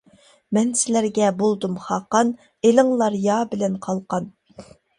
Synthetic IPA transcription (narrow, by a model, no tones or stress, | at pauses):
mɛnsɪlæɾɡʲɛbolˠd̪umχɑːqɑn | elɪŋlˠɑɾjɑːbɪlɛnqʰɑlˠqɑn